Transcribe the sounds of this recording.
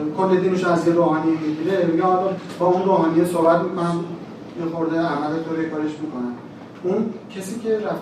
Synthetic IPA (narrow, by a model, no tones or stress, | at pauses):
kʰolːed̪iːnuʃoæzjeɾoːɦɒːnimiɡiɾemiɡeɒlɒb̥ɒːunroːhɒːnijesohbæt̪mæn | mixoɾd̪eæhmæd̪æt̪ʰoɾekʰɒːɾeʃmiːkʰo̞næm | uncʰesiːcʲʰe̞ɾæf